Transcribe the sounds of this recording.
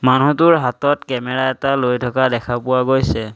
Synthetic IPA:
manutʊɹɦatɔtkɛmɛɹaɛtalojtʰɔkadɛkʰapʊwaɡojsɛ

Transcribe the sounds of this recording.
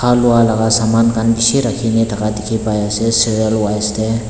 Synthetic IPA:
kʰaluwalaɡasamankʰanbisiɾakʰinet̪ʰakad̪ekʰipajasesiɾijəlwajst̪e

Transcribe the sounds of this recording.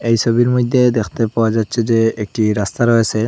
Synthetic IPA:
ejsobiɾmɔjd̪ʱːed̪ɛkʰt̪epawazatːsʰezeek̚ʈiɾast̪aɾɔɦesʰɛ

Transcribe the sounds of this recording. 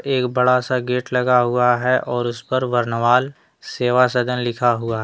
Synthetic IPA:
eːkbɐɽasaɡeːʈlɐɡaɦuaɦɛʔɔːɾʊspɐɾʋɐɾnəʋaːl | seːʋasɐd̪ʱənlɪkʰaɦʊaɦɛː

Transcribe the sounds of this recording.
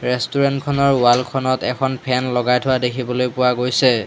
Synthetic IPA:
ɹɛstuɹɛntkʰɔnɔɹʊwalkʰɔnɔtɛkʰɔnpʰɛnlɔɡajtʰʊwadekʰibɔlojpʊwaɡojsɛ

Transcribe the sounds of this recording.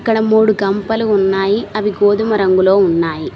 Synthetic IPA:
kːɐɽɐmuːɽuɡɐmpɐluːnːaːjiɐʋiɡoːd̪umɐɾɐŋɡulo̞ːunːaːji

